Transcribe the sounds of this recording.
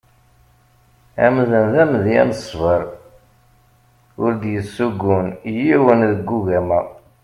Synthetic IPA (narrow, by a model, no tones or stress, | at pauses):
æ̰mðənðæmðiæ̰nsˤvəɾˤ | ʊɾd̪jəsːuɡːunjiwənðəɡːuɣæmæ